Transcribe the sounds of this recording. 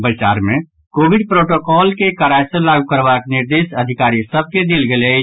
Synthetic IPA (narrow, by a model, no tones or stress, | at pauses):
bət͡ʃa̰ːɾmẽ | koːʋɪɖpɾoːʈoːkɔːlkekəɾaːjselaːɡukəɾʋaːknɪɾd̪eːʃɐd̪ʱɪkaːɾisəb̚ked̪ɪlɡəle